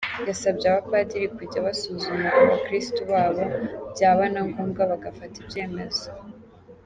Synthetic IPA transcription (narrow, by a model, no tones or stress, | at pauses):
jasabɟeaβapadiɾikuɟaβasuzumaʔaβakɾistuβaːβo̞bɟaːβanaŋɡuːmɡaβaɡafatibɟe̞ːme̞z̥o